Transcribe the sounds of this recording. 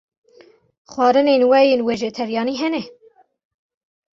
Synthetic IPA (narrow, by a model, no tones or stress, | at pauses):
xwɑːɾɨneːnwɛjeːnweʒɛt̪ʰɛɾjɑːniɦɛnɛ